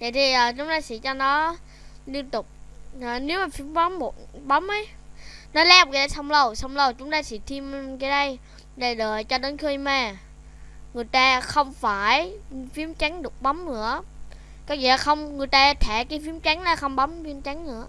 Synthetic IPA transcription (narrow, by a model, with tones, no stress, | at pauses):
və̰˨˧˨jt̪ʰi˨˩ʔəː˨˩t͡ɕʊ˨˦ŋ͡mt̪aː˧sḭ˧˨˥t͡ɕɔ˧nɔ˨˦ | li˧ənt̪ʊ˨˩k͡p̚ːne˨˦wmaː˨˩fi˨˦əmɓa˨˦mːo˨˩t̚ɓa˨˦mʔə˨˦j | nɔ˨˦laː˧˦˨kaː˨˦ɗə˧jsa˧wŋ͡mlə˧˩wsa˧wŋ͡mlə˧˩wt͡ɕʊ˨˦ŋ͡mt̪aː˧sḭ˧˩t̪ʰi˧mkaː˨˦jɗə˧j | ɗe˨˩ɗəː˨˩jt͡ɕɔ˧ɗe˨˦nxə˧jmaː˧˩ | ŋɨ˨˩əjt̪aː˧xə˧wŋ͡mfaː˧˩jfi˨˦əmt͡ɕa˨˦ŋ̟ɗɨ˨˩ək͡p̚ɓa˨˦wmnɨ̰˧˥ə | kɔː˨˦vḭ˧˨laː˨˩xə˧wŋ͡mŋɨ˨˩əjt̪aː˧t̪ʰɛ˧˩kaː˨˦jfi˨˦əmt͡ɕa˨˦ŋ̟laː˨˧˩xə˧wŋ͡mɓa˨˦mfi˧əmt͡ɕa˨˦ŋnɨ̰˧˥ə